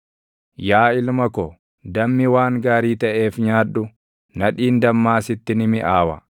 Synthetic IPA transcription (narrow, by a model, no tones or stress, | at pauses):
jaːɪlmɐkɔ | d̪ɐmːɪwaːŋɡaːɾiːt̪ɐʔe̞ːfɲaːᶑʊ | nɐᶑiːnd̪ɐmːaːsɪt̪ːɪnɪmɪʔaːwɐ̰